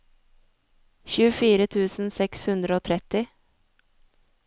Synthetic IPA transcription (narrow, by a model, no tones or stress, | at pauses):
çʉːəfiːɾət̪ʰʉːsn̩sɛkshʉnd̪ɾəoːt̪ʰɾɛt̪ɪ